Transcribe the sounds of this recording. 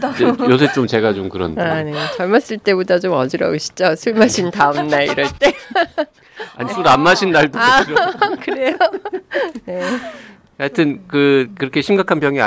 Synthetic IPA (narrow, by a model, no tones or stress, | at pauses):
josʰet͡ɕ͈omt͡ɕe̞ɡat͡ɕomkɯɾʌnaɲiot͡ɕʌɭmas͈ɯɭt͈e̞bodat͡ɕomʌd͡ʑiɾʌ̰uɕʰi̥d͡ʑosʰuɭmaɕʰintaɯmnaḭɾʌɭt͈e̞ | a̰ɲisʰuɾamːaɕʰinːaɭdo | kɯɾe̞jo | ne | kɯatʰɯnkɯkɯɾʌkʰe̞ɕʰimɡakʰanpjʌŋia̰